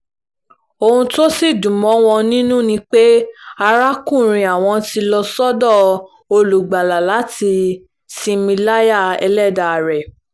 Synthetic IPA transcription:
o˧hũ˧to˦si˦˨dũ˨mɔ̃˨˦w̃ɔ̃˧nĩ˦nũ˦nĩ˦k͡pe˦a˧ɾa˦kũ˦˨ɾ̃ĩ˧a˨w̃ɔ̃˧ti˧lɔ˧sɔ˦dɔ˦˨ | o˧lu˨ɡ͡ba˨la˨la˨˦ti˧ | sĩ˧mĩ˧la˦ja˦˨ɛ̰˧lɛ˦˨da˨ɾɛ˨

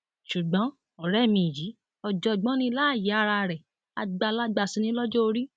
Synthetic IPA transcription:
ʃu˨ɡ͡bɔ̃˨˦ | ɔ˨ɾɛ˦˨mĩ˧˨ji˨˦ | ɔ˨d͡ʒɔ˧˨ɡ͡bɔ̃˦nĩ˧˦la˦˨ji˨˦a˦˧ɾa˧˨ɾɛ˨ | a˧ɡ͡ba˧˨la˦ɡ͡ba˧˨sĩ˧˦nĩ˦lɔ˦d͡ʒɔ˦o˧ɾi˦

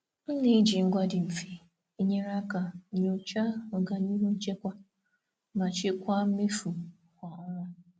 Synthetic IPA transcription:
n̩˦li˨˦d͡ʒi˨ŋ̩˦ɡʷa˦dɪ˨m̩˨fi˨ | i˦ɲe˦ɾa˦ka˨ɲo˦t͡ʃa˦o˨ɡa˨ni˦ɦu˦n̩˦t͡ʃe˦kʷa˦ | ma˨t͡ʃɪ˦kʷa˦m̩˦me˦fu˨ | kʷa˨a˦ɾa˦

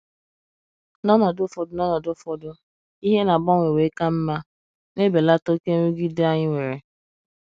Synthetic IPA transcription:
nɔ˦nɔ˨dʊ˦fɔ˨dʊ˦nɔ˦nɔ˨dʊ˦fɔ˨dʊ˦ | i˦ɦe˦na˨bɔ˦ŋʷe˨we˨˦ka˦m̩˦ma˦ | ne˦be˨la˦to˦ke˦ŋu˦ɡi˦da˦ɲɪ˦ŋʷe˨ɾe˨

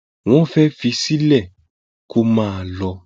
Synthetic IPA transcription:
w̃ɔ̃˦fɛ˦fi˧si˦lɛ˦˨ | kʰo˦mãː˦˧lɔ˧

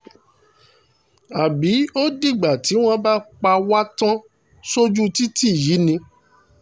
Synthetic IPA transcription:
a˨bi˨˦o˦di˦˨ɡ͡ba˨ti˨˦w̃ɔ̃˦˧ba˦k͡pa˧wa˦tã˦ | so˦d͡ʒu˦ti˦ti˦˨ji˨˦nĩ˧

